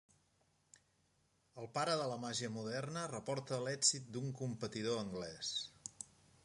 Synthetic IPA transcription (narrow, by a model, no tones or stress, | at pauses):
əlˠpaɾəðələmaʒiəmuðɛrnərəpɔɾt̪əlɛɡzit̪̚d̪uŋkumpət̪iðoəŋɡlɛs